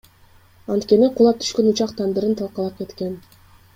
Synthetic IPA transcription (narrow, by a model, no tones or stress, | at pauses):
ɑnt̪kʲe̞niqulˠɑp̚t̪ʰy̥ʃkønut͡ʃɑqt̪ʰand̪ɯɾɯnt̪ʰɑlˠqɑlˠɑp̚ke̞t̪ke̞n